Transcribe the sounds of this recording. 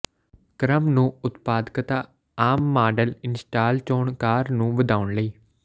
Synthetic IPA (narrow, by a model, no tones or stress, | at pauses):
kɾəmnũːʊt̪paːd̪kət̪aː | aːmːaːɖəlɪnsʈaːlt͡ʃoːɳkaːɾnũːʋəd̪aːʊɳləiː